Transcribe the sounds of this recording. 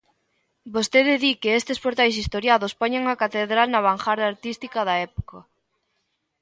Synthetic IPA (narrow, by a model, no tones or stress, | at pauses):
bost̪eðɪðikɪest̪ɪspoɾt̪ajsist̪oɾjaðospoɲaŋɐkat̪eðɾalnɐβ̞aŋxaɾðaaɾt̪ist̪ikɐðɐɛpo̥ka